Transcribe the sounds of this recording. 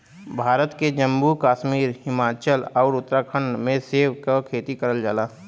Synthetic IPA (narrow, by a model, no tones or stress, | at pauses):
bʱaːɾət̪ked͡ʒə̃mbukaːʃmiːɾhɪmaːt͡ʃəlɔːɾʊt̪ːɾaːkʰəɳmẽseːwkakʰeːt̪ikəɾəld͡ʒaːlaː